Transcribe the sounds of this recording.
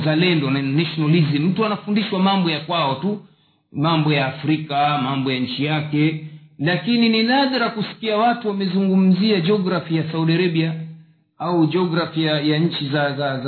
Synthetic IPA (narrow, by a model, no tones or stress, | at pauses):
zalɛndɔnnaʃɔnalizim̩tuanafundiʃwamambɔjakwaɔtu | mambɔjaːfɾikamambɔjaɲ̩t͡ʃijakɛlakinininaðaɾakusi̥kiawatuwamɛzuŋɡum̩ziad͡ʒɔɡɾafijasauɗiaɾaɓia | aud͡ʒɔɡɾafijajaɲ̩t͡ʃizaza